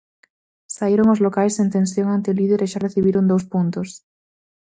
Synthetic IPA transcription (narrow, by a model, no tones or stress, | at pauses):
saiɾoŋozlokajsent̪ẽnsjoŋant̪eoliðeɾeʃareθiβiɾond̪owspunt̪os